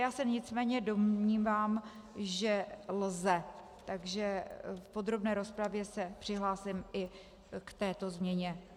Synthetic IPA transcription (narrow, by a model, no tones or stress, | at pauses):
jaːsɛɲɪt͡smɛːɲɛdo̞mɲiːvaːm | ʒɛlzɛ | t̪aɡʒɛfpo̞d̪ɾo̞bnɛːɾo̞spɾavjɛsɛpr̝̥ɪɦlaːsɪmʔɪ | kt̪ɛːt̪o̞zmɲɛɲɛ